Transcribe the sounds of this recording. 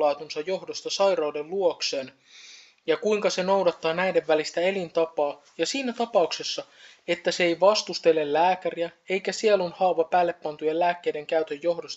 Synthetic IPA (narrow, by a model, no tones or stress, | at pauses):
lɑːt̪unsɑjjo̞ɦdost̪ɑsɑjrɑwde̞lluo̞kse̞ːn | jɑkuiŋkɑse̞no̞wdɑt̪ːɑːnæjde̞ʋːælist̪æe̞lint̪ɑpɑː | jɑsiːnæt̪ɑpɑukse̞sːɑ | e̞t̪ːæseejʋɑst̪ust̪e̞lːe̞llæːkæriæe̞jkæsielonhɑːʋɑpæːlːe̞pːɑnt̪ujellæːkːe̞jde̞ŋkæyt̪ø̞jjːo̞hdost̪